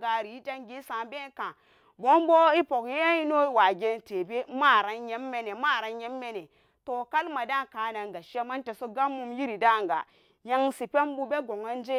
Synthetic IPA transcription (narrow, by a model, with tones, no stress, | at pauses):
ɡa˨ɾi˨i˦ta˦ŋɡi˦sã˨be˦kã˨ | bo˦mbo˦i˦po˨kje˦i˦no˦i˦wa˨ɡe˦nte˨be˦ma˦˨ɾa˨nje˦mːe˦ne˨ma˦˨ɾa˨˦nɲe˦mːe˦ne˨ | to˨ka˦lma˨da˦ka˨na˨ŋɡa˨ʃa˦ma˦n˦te˨so˦ɡa˦mːu˦mji˦ɾi˨da˦˨ŋ˨ɡa̰˨ | ja˦ŋsi˨pe˦mbu˦be˦ɡo˨ŋa˦n˦d͡ʒe˦